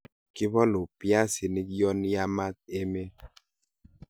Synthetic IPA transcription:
ki˦βɔ˦lu˨pja˦si˨ni˦kjɔ˦nja˦ma˦t̪̚e˦me˦

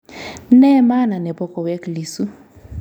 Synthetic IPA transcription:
n̩˦nɛ˦ma˦na˨nɛ˨bɔ˦kʼɔ˨we˦kli˨su˦

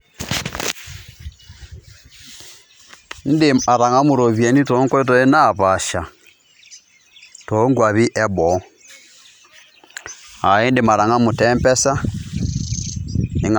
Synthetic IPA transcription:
n̩˦dɪ˦˨a˨ɾa˨ŋa˦mu˨ɾɔ˨βje˨ni˦tɔ˦ŋkɔ˦t̬ɔ˦e˦na˦˨βa˨ʃa˨ | tɔ˦ŋɡwa˨βi˦ʔɛ˦βɔ˨˦ | a˨e˦nde˨ma˨ɾa˨ŋa˦mu˨tɛ˦mpɛ˦sa˦ | ne˨ŋ

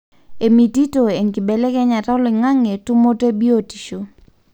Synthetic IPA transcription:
e˨mi˨ti˦to˨e˨ŋki˨bɛ˨lɛ˦kɛ˦ɲa˨tɔ˦lɪ˨ŋa˦ŋe˨tu˦mo˦te˦bi˦o˨ti̥˨ʃo˨

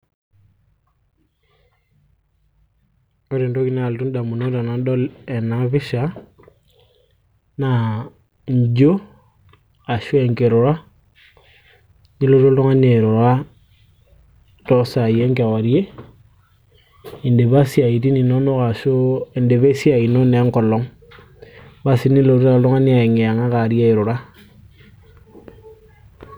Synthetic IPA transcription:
o˦ɾe˨nto˦ki˦na˨ltu˦nda˨mu˨no˦ta˨na˨ndɔ˦lɛ˨naβi˦ʃa˨ | na˨ | ɲd͡ʒo˦ | a˨ʃo˦e˨ŋke˨ɾo˨ɾa˦ | ɲi˦lo˦to˦to˦ŋa˦ne˨ɾo˨ɾa˦ | tɔ˦sa˨je˦ŋka˨wa˨ɾje˦ | e˨nde˨βa˦si˦a˨i˨ti˦ni˨no˦no˦ka˨ʃo˦e˨nde˨βe˦si˦a˨i˨no˦n˨a˦ŋkɔ˨lɔ˨˦ŋ | ba˦si˦ni˦lo˨ɾo˦a˨lo˦ŋa˦ni˦a˨e˨ŋe˨a˨ŋa˦ka˨ɾja˦e˨ɾo˨ɾa˦

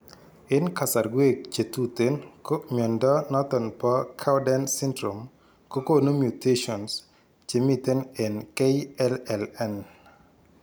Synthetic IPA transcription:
ɪ˦nka˨sa˨ɾɡwe˦˨k̚t͡ʃe˨tu˦t̪e˨˦nko˦mʲɔ˨ndɔ˦nɔ˦t̪ɔ˨npɔ˦kʰa˦wdɛ˦nsɪ˦ndɾo˨m | ko˦ko˦nu˦mju˨te˦ʃɔ˨ns | t͡ʃe˨mi˦t̪e˦ne˨nke˦i˦ɛ˦lɛ˨lɛ˦n

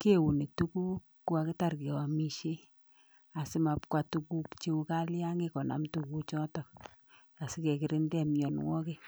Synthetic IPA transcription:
ke˦wu˨ne˨tu˦ku˦ | ku˦wa˨kɪ˦ta˦rke˨wa˨mi˦˨ʃe˦ | a˨sɪ˦ma˨pkwa˨tu˦ku˦kt͡ʃe˦u˧ka˦lja˦ŋekɔ˨na̰˨mtu˨ku˦t͡ʃɔ˦tɔ˨ | a˨sɪ˦kɛ˨kɪ˨ɾɪ˦ndɛ˦mjɔ˨nwɔ˦ke˦

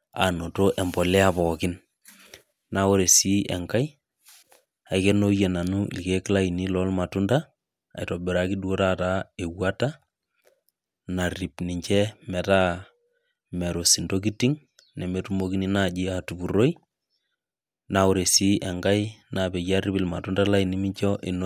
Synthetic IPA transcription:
a̰˨no˨to˦ʔɛ˨mbɔ˨lɛ˦a˨pɔ˨kɪ˦n | na˨o˦ɾe˨si˦ʔɛ̰˨ŋka˦j | a˨jke˦no˦jɛ˨na˨nṵ˦lke˦kla˦i˨ni˦lɔ˦lma˨tu˦nda̰ː˦˨ | itɔ˨bɛ˨ɾa˦ki˦du˦o˦ɾa˦ta˦e˨wa˦ta˦ | na˨ri˨pni˨ɲt͡ʃɛ˦mɛ˨ta˦ | mɛ˨ɾo˨si˨ndo˦k̬i˦ti˦ŋ | nɛ˨me˨tu˦mo˦ki˦ni˦na˨d͡ʒɪ˦a˨tu˨bu˨ɾo˦i | na˨ɔ˨ɾe˨si˦ʔɛ˨ŋɡa˦jna˨bɛ˨ja˦ri˦pɪ˨lma˨tu˦nda˦la˦i˨ni˦mi˦t͡ʃɔ˦ʔi˨n

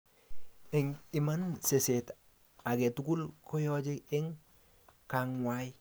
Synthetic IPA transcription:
e˨ŋi˨manseset | a˨ɡe˨tuku˦lko˦jod͡ʒe˦e˦ŋ | kaŋwaj

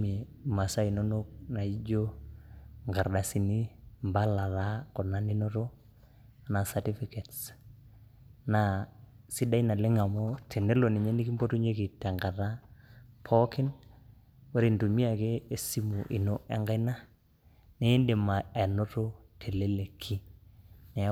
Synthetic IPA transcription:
me˨ | ma˨sa˦i˨no˦no˦k̚na˨i˦d͡ʒo˦ | ŋɡa˨ɾɗa˨si˨ni˦mba˦la˨la˦kɔ˨na˦ni˦no˦to˦ | a˨na˨sa˨ti˦fi˦ke˨ts | na˨ | si˦da˦i˦na˨le˦ŋa˨mo˦tʰe˨ne˦lo˨ni˨ɲe˦ni˦ki˦mbo˦tu˦ɲe˦ki˨ta˨ŋɡa˨ta˦pʰɔ˦kɪ˦n | wo˦ɾi˨ntu˨mi˦a˨ke˦e˦si˦mu˨ʔi˨no˦ʔɛ˦ŋɡa˦i˦na˦ | neː˦nde˨ma˨ɛ˨no˦to˦tʰe˨le˦le˨kʰi˦nɛ˨

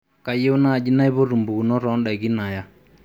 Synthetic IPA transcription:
ka˨je˦u˦na˦˨d͡ʒi˦na˦i˦βo˦ɾu˨mbu˨ku˨nɔ˦ɾɔ˨˦nɗa˨i˨ɡi˦na˨ja˦

